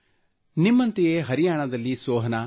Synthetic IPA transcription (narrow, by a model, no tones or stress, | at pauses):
nimːɐnt̪ejeɦɐɾijaːɳɐd̪ɐlːisoːɦɐna